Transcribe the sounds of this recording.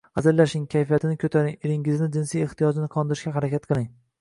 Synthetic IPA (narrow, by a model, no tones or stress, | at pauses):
azallːaʃɪŋkʲʰajfijat̪ʰɪnɪkʰɵt̪ʰaɾɪŋeɾɪŋɪznɪd͡ʒɪnsijeht̪ʰijɒd͡ʒɪnɪqʰɒnd̪ɪɾɪʃkʲaɦaɾakʲʰat̪̚qʰɨlˠɪŋ